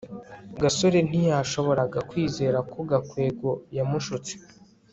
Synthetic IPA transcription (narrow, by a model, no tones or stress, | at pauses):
ɡasoɾe̞n̥ijaːʃo̞βo̞ɾaɡakwiːze̞ːɾakoɡakwe̞ːɡo̞jamuʃut͡se̥